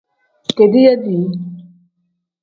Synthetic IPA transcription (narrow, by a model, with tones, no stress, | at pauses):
ke˨d̪i˦ja˦d̪i˨